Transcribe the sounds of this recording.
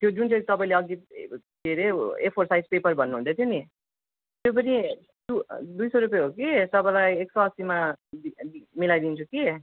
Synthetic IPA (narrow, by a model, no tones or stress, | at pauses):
t̪jod͡zunt͡sʰʌ̃t̪ʌpaĩleʌɡit̪eɾeepʰʌrsaid͡zpepʌrbʱʌnːuũnt̪ʰet̪ʰjoni | t̪jop̬ʌnʰi | d̪ud̪ujsʌɾupjeɦokisʌbalajeksʌsimad̪iimilajd̪int͡sʰuki